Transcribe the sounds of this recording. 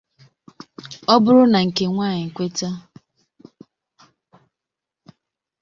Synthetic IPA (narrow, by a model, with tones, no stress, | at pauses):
ɔ˦bʊ˦ɾʊ˦na˨ŋ̩˨ke˨ŋʷaː˦˨ɲɪ˨ŋ̩˨kʷe˦ta˦